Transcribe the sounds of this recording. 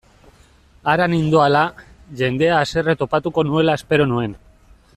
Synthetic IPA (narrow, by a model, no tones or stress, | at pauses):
aɾanind̪oalaʝe̞nd̪e̞aːse̞re̞t̪o̞pat̪uko̞nue̞lae̞spe̞ɾo̞nue̞n